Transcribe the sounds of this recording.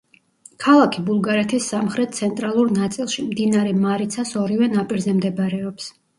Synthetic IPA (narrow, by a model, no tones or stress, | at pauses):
kʰalˠakʰibulˠɡaɾɛt̪ʰisːamχɾɛt̪̚t̪sʰɛnt̪ʼɾalˠuɾnat̪sʼilˠʃimd̪inaɾɛmaɾit̪sʰasɔɾivɛnapʼiɾzɛmd̪ɛbɾɛɔps